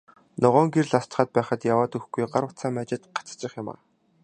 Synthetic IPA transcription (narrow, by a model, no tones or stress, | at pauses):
nʊʁɔːŋɡerɮast͡ɕχaːt̪̚pæːχə̆t̪jawaːt̪ɵxɡujɢaɾwə̆t͡sʰaːmæt͡ɕɪ̆t̪ɢḁt͡st͡ɕɪ̆χjama̰ː